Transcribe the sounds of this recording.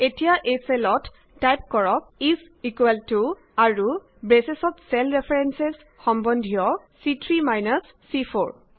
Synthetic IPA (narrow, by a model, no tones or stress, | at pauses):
etijaʔeselɔtː | ajp̚kɔɹɔk̚is | ikwɛltu | aɹu | bɹesesɔtsɛlɹepʰeɹenses | xɔmbɔndʱijɔ | sitʰɹimajnasːipʰo̰ɹ